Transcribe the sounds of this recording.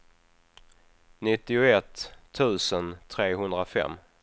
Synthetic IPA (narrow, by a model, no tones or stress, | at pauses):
nɪt̪ːɪʊɛt̪ʰːʉ̟ːsənt̪ʰɾeːɦɵnd̪ɾafɛ̰mː